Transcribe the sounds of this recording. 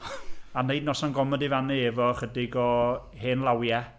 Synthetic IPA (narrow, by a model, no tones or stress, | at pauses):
anejdnɔsanɡɔmɔdɪvanɨɛvɔχədɪɡɔ | heːnlˠawja